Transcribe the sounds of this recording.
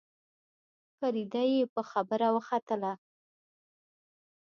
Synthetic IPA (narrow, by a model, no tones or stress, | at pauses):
kaɾid̪ajepəxabəɾawəxat̪əla